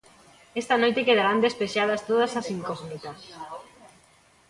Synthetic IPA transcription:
est̪ɐnojt̪ekeðaɾand̪espeʃað̞ɐst̪oðɐsasiŋkoɣnit̪as

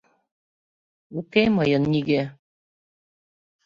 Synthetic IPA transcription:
ukeməjə̆nːiɣe

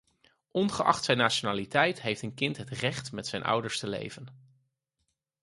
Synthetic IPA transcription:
ʔɔnχəʔɑ̰χtsɛjnːaːʃonaːlitɛjtɦejftənkɪntɦətrɛχtmɛtsɛjnʔʌ̰wdəɹstəlḛjvən

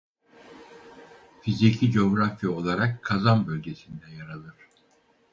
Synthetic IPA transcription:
fizicʰid͡ʒo̞ɡɾafijaolˠaɾakʰːazanbølʲɟe̞sind̪ɛjaɾalˠɯɾ̥

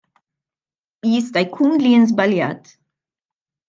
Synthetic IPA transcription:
jɪst̪ɐjkʰuːnlinzbɐljɐ̰ːt̪

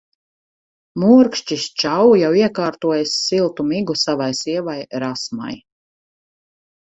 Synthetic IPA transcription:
muɾkʃt͡ʃist͡ʃawjawiɛkaːɾt̪uɔjasːilˠt̪umiɡusavajsiɛvajɾasma̰j

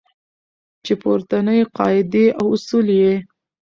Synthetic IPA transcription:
t͡ʃepoɾt̪anəjqɑɪd̪eʔawʊsulje

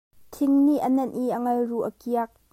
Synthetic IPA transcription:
t̪ʰɪŋniʔənɐnʔiʔəŋɐlruʔəkiɐk̚

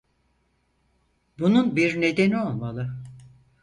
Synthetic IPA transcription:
bununbiɾne̞d̪enio̞lˠmalˠɯ

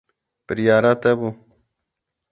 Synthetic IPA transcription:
pɾijaːɾat̪ebu

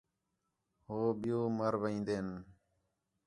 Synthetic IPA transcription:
hoːɓɪjoːməɾʋəĩːnd̪eːn

